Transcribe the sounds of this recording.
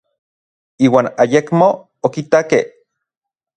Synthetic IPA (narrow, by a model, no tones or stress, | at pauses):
iːwaːnajekmoː | kit̪akeh